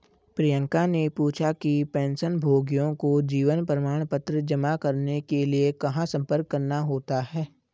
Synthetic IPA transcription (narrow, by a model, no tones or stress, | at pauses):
pɾijə̃ŋkanepuːt͡ʃʰakipɛ̃ːnsənbʱoːɡijõkod͡ʒiːʋənpɾəmaːɽ̃pət̪ɾəd͡ʒəmakɐɾnekeliekɐɦãsɐ̃mpəɾkːəɾnaɦoːt̪aɦɛː